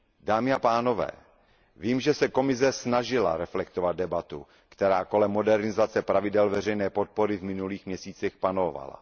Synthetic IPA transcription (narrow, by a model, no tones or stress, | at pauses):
daːmɪapaːno̞vɛ̰ː | viːmʒɛsɛko̞mɪs̬ɛsnaʒɪla̰ɾɛflɛk̚t̪ovad̪̚dɛbat̪u | kt̪ɛɾaːko̞lɛmːo̞dɛɾnɪzat͡sɛpɾavɪdɛlvɛr̝ɛjnɛːpo̞t̪̚po̞ɾɪvmɪnuliːxmɲɛsiːt͡sɛxpanova̰la̰